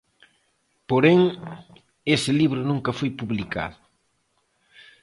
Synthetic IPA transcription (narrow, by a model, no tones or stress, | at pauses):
poɾeŋ | esɪliβɾʊnũŋkɐfojpuβlika̰ðʊ